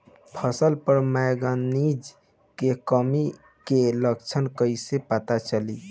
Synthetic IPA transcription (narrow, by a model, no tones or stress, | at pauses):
pʰəsəlpəɾmɛjɡanid͡ʒ | kekəmi | keləkt͡ʃʰənkəisepət̪at͡ʃəli